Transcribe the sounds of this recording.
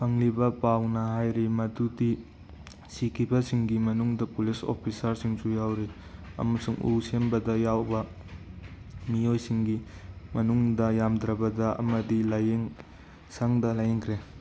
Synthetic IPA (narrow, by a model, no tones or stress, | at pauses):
pʰɐŋlibɐpawnɐɦajɾimɐtudi | sikʰibɐsiŋɡimɐnuŋdɐpuliso̰pʰisɐɾsiŋsujawɾi | ɐ̰mɐsuŋṵsembɐdɐjawbɐ | mijojsiŋɡimɐnuŋdɐjamdɾɐbɐdɐɐ̰mɐdilajeŋ | saŋdɐlajeŋkʰɾe